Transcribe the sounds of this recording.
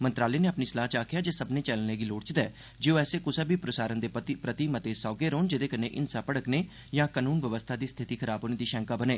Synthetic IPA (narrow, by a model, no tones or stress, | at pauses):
mənt̪ɾaːleːneːəpniːslaːt͡ʃaːkʰjaːd͡ʒeːsəbneːt͡ʃɛːlneːɡiːloːɽt͡ʃd̪ɛ̰ː | d͡ʒeoːɛːseːkʊseːbʱiːpɾəsaːɾənd̪eːpɾət̪iːmət̪eːsɔːɡeːɾoːnd͡ʒɪd̪eːkəneːʔɪnsaːpəɽəkneː | jãːkaːnuːnʋəʋəst̪ʰaːd̪iːst̪ʰɪt̪iːkʰəɾaːbɦoːneːd̪iːʃɛ̃ːŋkaːbəneː